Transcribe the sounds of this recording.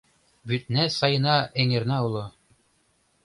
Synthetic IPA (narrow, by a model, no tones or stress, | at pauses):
bʉt̪næsɑjɤ̆nɑɘ̆ŋɘ̆ɾnɑulˠo